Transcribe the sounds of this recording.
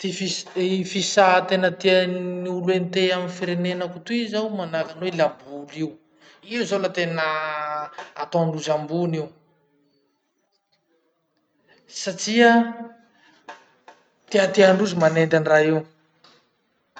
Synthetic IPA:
t̪ifisfisat̪enət̪ianiulent̪eaminfiɾenenakut̪uizawmanakanwelambuliw | izolat̪enə | at̪oaɳɖ͡ʐuzambuniw | saʈ͡ʂia | t̪iat̪iaɳɖ͡ʐuzimanend̪aniraiw

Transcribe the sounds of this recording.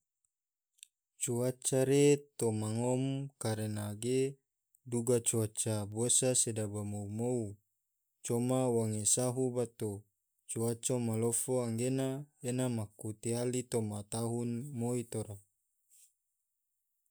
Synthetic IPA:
t͡ʃuat͡ʃaɾet̪omaŋomkaɾenaɡe | duɡat͡ʃuat͡ʃabosasedabamoumou | t͡ʃomawaŋesaɦubat̪o | t͡ʃuat͡ʃamalofoaŋɡenaenamakut̪ialit̪omat̪aɦunmoit̪oɾa

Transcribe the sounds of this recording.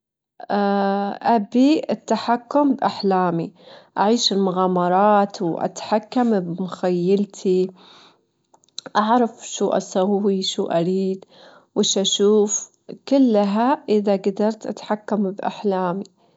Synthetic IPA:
aʔabiʔɪt̪ːaħakːʊmbʔaħlaːmiʔaʕiːʃɪlmʊɣaːmɑɾˤɑːt̪wʔa̰t̪ħakːambmʊxajːalt̪ʰi | ʔaʕɾˤɑfʃuːʔa̰sawːiʃuːʔaɾiːd̪ | wɪʃʔaʃuːf | kɪlːɦaʔɪðaɡad̪ɑɾˤt̪ʔa̰t̪ħakːambʔa̰ħlaːmi

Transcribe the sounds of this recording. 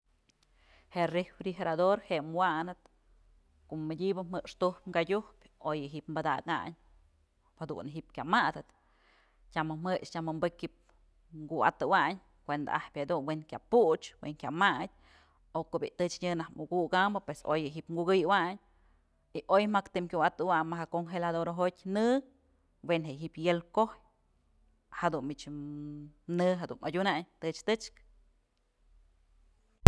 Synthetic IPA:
heʔrefɾixeɾad̪oɾheʔmwanɨt̪ | koʔmːɨdʲibɨmɨkʂt̪uhpŋɡadʲuhpʲ | ojɨɦiʔpmbɨd̪aka̰ɲ | had̪ṵnɦiʔp̚kʲamad̪ɨt̪ | tʲamɨmɨʂt͡ʃʲamɨmbɨkip̚ | ŋɡua̰t̪ɨwaɲ | kʷend̪a̰ahpʲhad̪unweŋkʲaput͡ʃweŋkʲamad̚ʲ | okoʔbʲiʔt̪ɨt͡ʃɲɨnahmuɡuɡambɨpweso̰jɨɦipŋɡuɡɨjwaɲ | iʔojmakt̪ɨmkʲuat̪ɨwaɲmaɦakoŋxelad̪oɾɦotʲnɨ | wenɦeʔɦipjelkohj | had̪unmit͡ʃ | nɨɦad̪ṵnʔa̰dʲunaɲt̪ɨt͡ʃt̪ɨt͡ʃk

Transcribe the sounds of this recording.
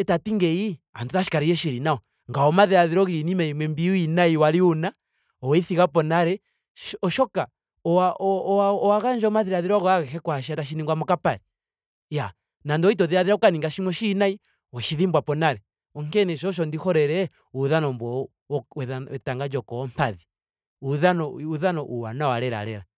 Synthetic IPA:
ɛtatiŋɡɛiantuðaʃi̥kaɾijɛʃiɾinaɔ | ŋɡaɔmaðiɾaðiɾɔɣinimaimwɛmbiuinaiwaɾiuna | ɔwɛiθiɣapɔnaɾɛ | ɔʃɔka | ɔaʔɔaɔwaɣaɲd͡ʒɔɔmaðiɾaðiɾɔɣɔaɣɛkɛkwaʃiataʃ̬iniŋɡwamɔkapaɾɛ | ja | nandɔit̬ɔðiaðiɾaukaniŋɡaʃimɔʃinai | wɔʃiðimbwapɔnaɾɛ | ɔŋkɛnɛʃɔʃ̬ɔndihɔɾɛɾɛ | uðanɔmbɔ | wɛaɛtaŋɡad͡ʒɔkɔɔmpaði | uðanɔuðanɔʔuwa̰nawalɛɾa̰ɾɛ̰ɾa

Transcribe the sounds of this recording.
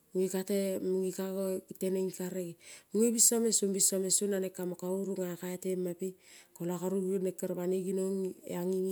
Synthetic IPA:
muŋikatemuŋikaɡoɡiteneŋikaɾeɡimuŋibisomesumbisomesunanekːamokauɾuŋakaetemːapikolakaɾuɡenekːaɾβaniɡinoŋḛaŋiŋ

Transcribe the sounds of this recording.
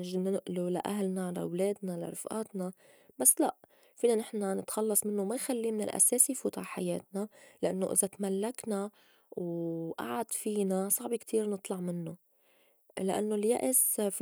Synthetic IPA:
ʒnɪnʔlula̰ʔaɦlnala̰wleːd̪nala̰ɾˤɪfʔa̰ːt̪na | b̥asːlaʔ | fiːnanɪħnanɪt̪xɑlːɑsˤmɪnːomajxalːimɪnɪ̰lʔa̰seːsijfuːt̪aʕħajeːt̪̚nalaʔanːoʔɪ̰zat̪malːakna | wʔa̰ʕad̪fiːnasˤɑʕbikt̪ʰiːɾnɨt̪ˤlɑʕmɪnːo | laʔa̰nːolja̰ʔɪsf

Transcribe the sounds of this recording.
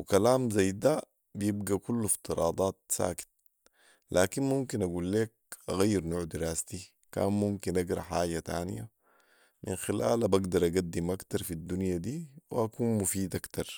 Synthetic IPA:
wikalaːmzajːd̪a | bijib̚ɡakulːift̪ɨɾˤɑːd̪ˤɑːt̪̚sa̰ːki̥t̪̚ | lʔaːkinmumkinʔaɡuːlːeːk̚ʔaɣajːiɾnoːʕd̪iɾaːst̪i | ka̰ːnmumkinʔaɡɾˤɑ̰ħaːɟat̪a̰ːn̰ja | mʔḭnxila̰ːlabaɡd̪ɑɾˤʔaɡad̪ːimʔakt̪ɑɾˤfid̪ːunjad̪iːwḭʔakuːnmufiːd̪ʔakt̪ɑɾˤ

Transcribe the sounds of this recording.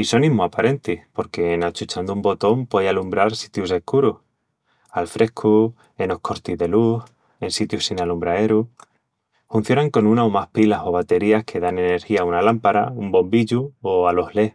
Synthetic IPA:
iso̞nimuapaɾe̞nt̪ihpo̞ɾke̞nat͡ʃut͡ʃand̪umbo̞t̪o̞mpwaðjalumbɾaɾsit̪jus̬e̞hkuɾuh | alfɾʔe̞hkʰu | eno̞hkʰo̞ɾt̪iðe̞luh | e̞nsit̪jusinalumbɾae̞ɾu | fun̟θjo̞naŋko̞nũnaomahpilaso̞β̞at̪e̞ɾiahkʰe̞ðane̞ne̞ɾxiaunalampaɾaumbo̞mbiʎuoalo̞hle̞

